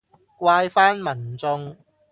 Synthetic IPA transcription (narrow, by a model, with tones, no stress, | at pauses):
kwaː˧jfaː˥nmɐ˨˩nt͡sʊ˧ŋ